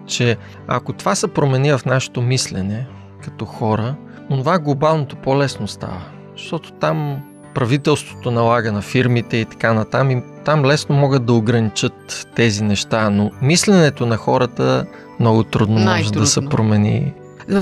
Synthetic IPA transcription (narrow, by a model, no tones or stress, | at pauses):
t͡ʃɛ | ɐ̰kot̪ovasɛpɾomɛnivɐfnaʃɛ̥t̪omislɛnɛ | kɐ̥t̪ɔxɔɾə | onovaɡlˠobalˠnot̪opolɛsnost̪a̰və | zʃt̪ɔt̪o̥t̪am | pɾɐvit̪ɛlˠst̪vo̥t̪onɐlˠaɡənɐfiɾmit̪ɛit̪ɐ̥kanɐt̪amit̪amlɛsnomɔɡət̪d̪d̪ɐoɡɾɐnit͡ʃɤt̪ːɛzinɛʃt̪anomislɛnɛt̪onɐxɔɾət̪ə | mnɔɡot̪ɾud̪nomɔʒɛd̪ɐsɛpɾomɛnḭ